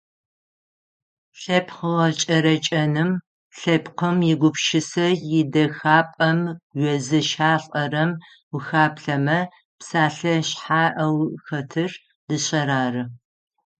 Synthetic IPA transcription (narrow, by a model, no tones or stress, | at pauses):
ɬɐpʰχəʁɐt͡ʃʼɐɾɐt͡ʃʼɐnɨm | ɬɐpqəmjɪɡʷʊpʃɪsɐjɪdɐxaːpʼɐmɡʷɥɛzɨʃaːɬʼɐrɐm | wuxaːpɬɐmɐ | psaːɬɐɕħaːʔɐwxɐtʰɨr | d̥ɨɕɐɾaːrɨ